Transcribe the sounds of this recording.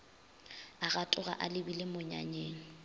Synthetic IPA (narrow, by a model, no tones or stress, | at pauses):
aɣatʼʊɣa̰ʔalɪbilɪmʊɲa̰ɲeːŋ̩